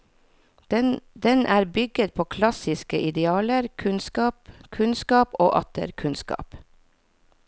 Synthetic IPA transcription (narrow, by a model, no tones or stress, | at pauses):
d̪ɛnʔæːɾbʏɡət̪̚pʰoːkʰlɑsɪskəʔɪd̪ɛɑːləɾkʰʉnskɑːpkʰʉnskɑːpoːʔɑ̰t̪ə̰ɾkʰʉnskɑ̰ːp